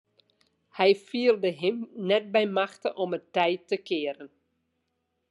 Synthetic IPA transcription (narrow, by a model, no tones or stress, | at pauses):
hɛjfiəlˠdəɦɪmnɛt̚bɛjmaxtəʔɔmətɛjtːəkʰɪəɾən